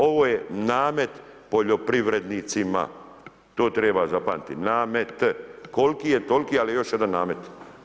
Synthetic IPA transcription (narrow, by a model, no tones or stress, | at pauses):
o̞ʋoːjenaːme̞t̪po̞ʎo̞pɾiʋɾe̞d̪niːt̪sima̰ | t̪o̞ːt̪ɾeːbazapanit̪ḭnaːmet̪ko̞lkiːjet̪o̞lkiːalijejo̞ʃje̞d̪anːaːme̞t̪